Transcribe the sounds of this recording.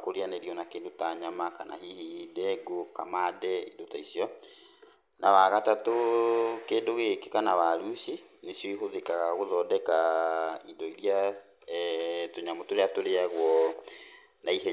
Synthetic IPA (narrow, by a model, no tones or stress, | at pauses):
koɾianeɾiɔnakeːndotaɲamakana̰ɦihidɛɡoka̰madɛindotaisjɔ | nawaɣatatokeːndoɣekekanawaɾuːsi | nesjoiɦoðekaɣaɣoðɔdɛkaidɔiɾia | toɲamotoɾeatoɾeaɣwɔ | naiɦɛ